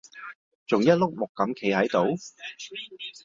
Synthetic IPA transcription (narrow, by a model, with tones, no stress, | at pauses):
t͡sʊ˨ŋjɐ˥t̚lʊ˥k̚mʊ˨kːɐ˨˥mkʰe˨˧jhɐ˨˥jt̪o˨˥w